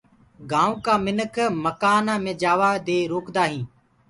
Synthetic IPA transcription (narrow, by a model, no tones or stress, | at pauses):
ɡãːũːkaːmɪnəkʰməkaːnaːmẽːd͡ʒaːʋaːd̪eːɾoːkd̪aːɦĩː